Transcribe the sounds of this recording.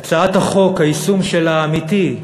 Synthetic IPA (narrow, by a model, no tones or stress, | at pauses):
t͡saat̪haχo̞khaisumʃelaːmit̪i